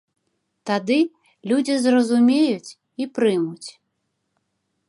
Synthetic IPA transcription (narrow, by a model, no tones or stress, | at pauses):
t̪ad̪ɨ | lʲud͡zʲizrɐzumʲejut͡sʲ | ipɾɨmut͡sʲ